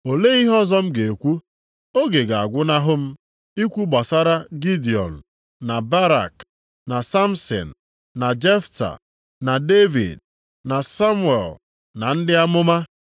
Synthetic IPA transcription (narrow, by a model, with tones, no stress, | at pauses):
o˨le˦i˦ɦɔ˦zɔ˦m̩˦ɡe˨kʷu˦ | o˦ɡe˨ɡa˨a˨ɡʷʊ˦na˦ɦʊ˦m̩˦ | i˦kʷu˦ɡ͡ba˨sa˦ɾa˦ɡi˦di˨ɔ̰˨n̩˨ | na˨ba˦ɾa̰˨k | na˨sa˦m˦sɔ̰˨n̩˨ | na˨d͡ʒe˦fta̰˨ | na˨de˦vḭ˨d | na˨sa˦mwḛ˨l | na˨n̩˦dɪ˦a˦mʊ˦ma˦